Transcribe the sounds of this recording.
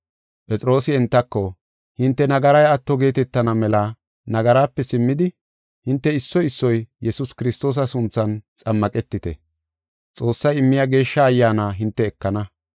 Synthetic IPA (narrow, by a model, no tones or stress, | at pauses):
pʼɛt͡sʼɾo̞ːsɪɛnt̪ːɐkːɔ | hɪnt̪ːɛnɐɡɐɾɐjɐt̪ːɔɡe̞ːt̪ɛt̪ːɐnɐmɛlɐ | nɐɡɐɾaːpːɛsɪmːɪd̪ɪ | hɪnt̪ːɛɪsːɔjɪsːɔjjɛsʊskɪɾɪst̪o̞ːs̬ɐsʊnt͡sːɐnt͡sʼɐmːɐkʼɛt̪ːɪt̪ɛ̰ | t͡sʼo̞ːsːɐjɪmːɪjaɡe̞ːʃːɐːjːaːnaːɦɪnt̪ːɛːkːɐnɐ